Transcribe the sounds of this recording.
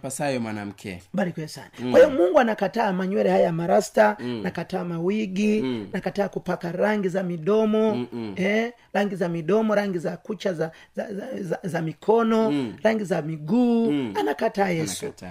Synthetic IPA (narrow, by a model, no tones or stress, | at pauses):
pasajɔmwa̰na̰m̩kʰɛ̰balikwɛsa̰nakwahijɔmuŋɡuanakataːmaɲwɛɾɛhajamaɾastanakataːmawiɡianakataːkupakaɾaŋɡizamiɗɔmɔɛ | ɾaŋɡizamiɗɔmɔɾaŋɡizakut͡ʃaz | zamikʰɔnɔɾaŋɡizamiɡuːanakataːjɛsu